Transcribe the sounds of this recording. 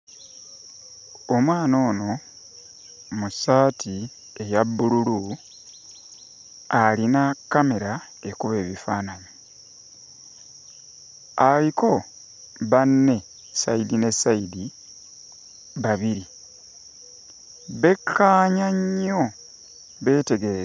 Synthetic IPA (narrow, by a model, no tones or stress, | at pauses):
omwaːno̞ːno̞ | musaːtʰi | e̞jabːululu | alinakːame̞ɾa | ekuβe̞ːβifaːnaɲi | aliko̞ | βanːe̞ | sa̰idine̞saidi | βaβiɾi | βe̞kʰːaːɲaɲːo̞ | βe̞ːte̞ɡe̞ɾe